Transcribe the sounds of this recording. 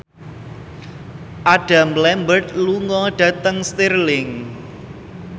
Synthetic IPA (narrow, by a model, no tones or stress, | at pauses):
ʔaɖ̥a̤mlɛmbərt̪̚luŋɔɖ̥ä̤t̪əŋst̪iɾlɪŋ